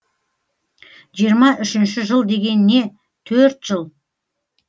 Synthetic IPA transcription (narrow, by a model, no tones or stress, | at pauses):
ʒijəɾmɑʔʏʃɪnʃɪʒəlˠd̪e̞ɡʲe̞nɪne̞ | t̪ʰɵɾt̪ʒ̥əlˠ